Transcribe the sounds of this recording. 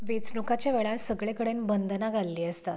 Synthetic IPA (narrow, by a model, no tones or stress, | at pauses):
ʋet͡snukat͡ɕjaʋɛɭaɭsəɡɭekəɽenbənd̪naɡʱalːiːəst̪at̪